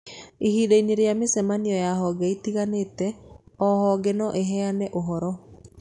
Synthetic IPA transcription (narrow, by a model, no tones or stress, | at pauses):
ihiːdaiɲeɾejamesɛmaniɔjaɦɔɡɛitiɣaneːtɛɔhɔɡɛnɔʔeɦɛanɛʔoɦɔɾɔ